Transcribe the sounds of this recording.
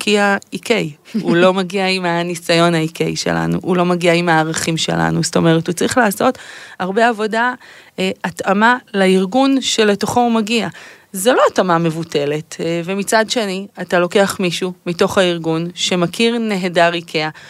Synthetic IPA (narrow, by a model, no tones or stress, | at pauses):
kʰiaikej | ulo̞maɡiaimanisajo̞naikḛjʃḛlʔa̰nṵʔulo̞maɡiaimaːʁaχimʃe̞̰la̰nusto̞me̞ʁethut͡saʁiχlaːso̞taʁbe̞avo̞da | atamalaiʁɡunʃe̞le̞to̞χoumaɡia | zelo̞atamame̞vute̞le̞tvemit͡sadʃe̞niatalo̞ke̞aχmiʃumito̞χhaiʁɡunʃe̞makʰiʁne̞ɦedaʁikʰea